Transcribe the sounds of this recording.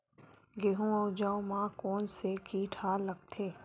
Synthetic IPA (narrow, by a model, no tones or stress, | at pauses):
ɡeɦũaʊd͡ʒaːõmãkɔːnsekiːʈʰaːləɡt̪ʰeː